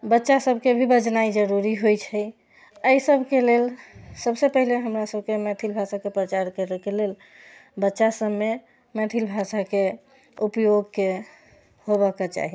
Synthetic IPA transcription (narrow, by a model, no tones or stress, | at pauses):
bətːʃasəbʱkebʱibəd͡ʒnaid͡ʒəɾuɾiɦojt͡ʃʰəj | əjsəbʱkelelsəbsepəɦileɦəmɾasəbʱkemɛt̪ʰilbʱasakepɾət͡ʃaɾkəɾɛkelel | bətːʃasəbme | mɛt̪ʰilbʱasake | upjoɡke | hobəket͡ʃa̰ɦi